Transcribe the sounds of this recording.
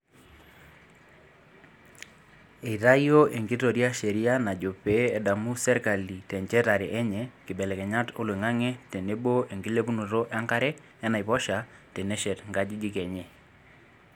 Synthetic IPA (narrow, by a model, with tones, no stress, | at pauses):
e˨i˨ta˦jo˦ʔe˨ŋɡi˦to˨ɾja˦ʃe˨ɾi˦a˦na˨d͡ʒo˨pe˦ɛ˨da˨mu˦sɛ˦ɾka˨li˨tɛ˨ɲt͡ʃɛ˦ta˨ɾe˨ʔɛ˦ɲɛ˨kɪ˨ɓɛ˨lɛ˨kɛ˨ɲa˦to˦lwe˨ŋa˦ŋɛ˦te˨ne˦ɓo˦e˨ŋɡi˦le˦pu˦nu˨to˦ʔa˦ŋka˦ɾɛ˦ | ɛ˦na˨i˨pɔ˦ʃa˨te˨ne˦ʃɛ˨tŋɡa˦di˦d͡ʒi˦kɛ˨ɲɛ˦˨